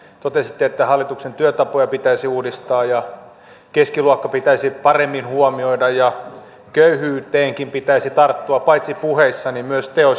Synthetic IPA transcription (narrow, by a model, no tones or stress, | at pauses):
t̪ot̪esit̪ːeet̪ːæhɑlːit̪uksent̪yøt̪ɑpojɑpit̪æisiuːdist̪ɑːjɑ | keskiluokːɑpit̪æisipɑremːinhuomioidɑjjɑ | køyhyːt̪eːŋkimpit̪æisit̪ɑrt̪ːuɑpɑit̪sipuheisːɑnimmyøst̪eo